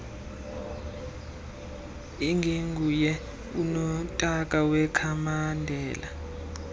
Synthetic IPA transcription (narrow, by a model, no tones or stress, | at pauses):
iŋɡʱeŋɡʱujɛ | unɔtʼak̬ʼawɛkʰamandʱɛːla